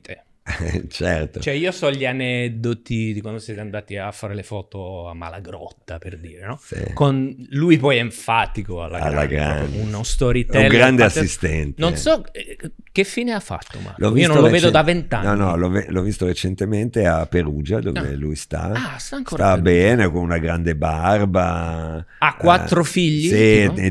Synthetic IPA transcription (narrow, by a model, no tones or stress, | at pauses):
e | t͡ʃɛrt̪ot͡ʃoɛiːosɔʎianɛd̪ot̪id̪ikwand̪osɛt̪eand̪aːt̪iafːaːɾelefɔːt̪oamːa̰laɡɾɔ̰t̪ːaperd̪iːɾenɔsḭkonlujpɔjɛeɱfaːt̪ikoa̰lːa̰aɡ̰lːaɡɾa̰nunost̪ɔɾit̪uɛɡɾand̪easist̪ɛnt̪noensɔɛk̟ːefiːneafːa̰t̪ːo̰ma̰lɔvvionõnloveːd̪od̪avent̪a̰nɔnːɔlɔvlɔvːist̪oɾet͡ʃent̪ement̪eapːeɾuːd͡ʒad̪o̰vḛlujst̪a̰ast̪aːŋksoːɾt̪abɛːnekonunaɡɾand̪ebarba | akːwat̪ːɾofiʎːisi